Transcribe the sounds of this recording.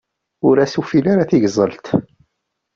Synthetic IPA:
ʊɾæsufilaɾaθiʝzˤəlt̪

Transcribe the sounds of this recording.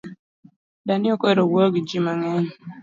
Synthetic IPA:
danɪokeɾowoɡid͡ʒimaŋɛn

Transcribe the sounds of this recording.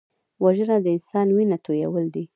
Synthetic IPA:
waʒənad̪əɪnsɑnwinat̪ojawəld̪i

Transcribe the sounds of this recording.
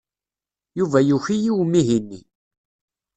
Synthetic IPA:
juvæjuçijiwmːiɦinːḭ

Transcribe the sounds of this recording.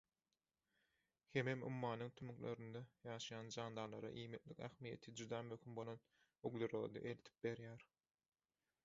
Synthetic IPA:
hememṵmːɑːnɯŋt̪ʰymyklø̰ɾynd̪ɑjɑːʃɑjɑːnd͡ʒɑːnd̪ɑːlˠɑɾɑ̰ʔiːmit̪likæ̰xmijḛt̪ʰid͡ʒud̪ɑːmøxymbo̞lˠo̞n | yɡløɾoɣ̰d̪ḛʔelt̪ʰi̥p̚be̞ɾjæːɾ

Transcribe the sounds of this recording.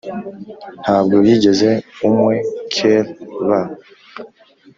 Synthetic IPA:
n̥haːb̚ɡoβiɟe̞ze̞umwekʰelβa

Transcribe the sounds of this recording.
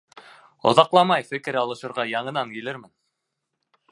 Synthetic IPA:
ŏ̰ðɑqlˠɑmɑjfɘ̆kɘ̆ɾɑlˠɤ̆ʃɤ̆ɾʁɑjɑɴɤ̆nɑŋkilɘɾmɘn

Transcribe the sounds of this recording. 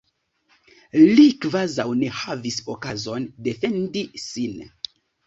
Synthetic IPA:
likvazawne̞havisokazo̞nde̞fe̞ndisin

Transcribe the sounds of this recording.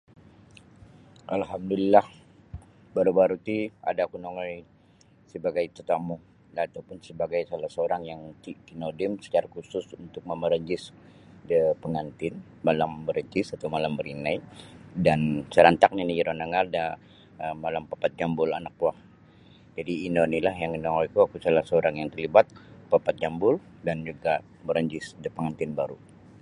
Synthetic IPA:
ʔalɦamdulilah | baɾubaɾut̪ia̰dakunoŋaj | səbaɡajt̪ət̪amu | laat̪awpʊnsəbaɡajsalasəoɾaŋjaŋt̪ikinodɪmsə̥t͡ʃaɾakusʊsunt̪ʊk̚məməɾəɲd͡ʒɪs | dəpəŋant̪ɪn | malambəɾəɲd͡ʒɪsat̪awmalambəɾinajdansəɾant̪ak̚ɲaniiɾonaŋarda | əmːalampapat̪̚d͡ʒambʊlanak̚wah | d͡ʒadiːnonilahjaŋənaŋoikuakusalahsəoɾaŋjaŋt̪ərlibat̪̚papat̪̚d͡ʒambʊl | dand͡ʒuɡa | bəɾəɲd͡ʒɪsdəpəŋant̪ɪnbaɾu

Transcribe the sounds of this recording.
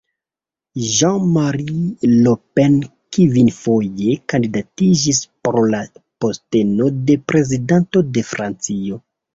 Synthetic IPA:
ʒaŋmaɾilopen | kivinfo̞je̞kandidatid͡ʒispɾo̞lapo̞ste̞no̞de̞pɾe̞zidanto̞de̞fɾʔant͡sio̞

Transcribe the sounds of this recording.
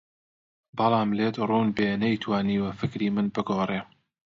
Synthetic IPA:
bɨlˠɑːmleːd̪runbenɐjt̪ʰwaːniːwɐfɨkɾiːmɨnbɨɡoːreː

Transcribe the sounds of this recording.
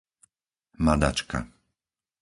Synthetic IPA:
mad̪a̰t͡ʃka̰

